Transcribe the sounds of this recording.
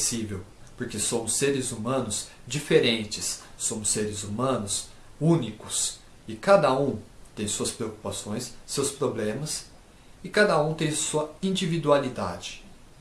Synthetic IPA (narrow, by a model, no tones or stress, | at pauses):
sivewpoɾkesõmʊsːeɾɪzumɐ̃nʊz | d͡ʒifeɾẽnt͡ʃɪsːõmʊseɾɪzumɐ̃nʊs | ũnikʊs | ɪkad̪ɐũt̪ẽj̃suɐspɾeoku̥pasõj̃sːewspɾoblẽmɐs | ɪkad̪ɐũt̪ẽj̃suɐĩd͡ʒivid̪ualid̪a̰d͡ʒɪ̥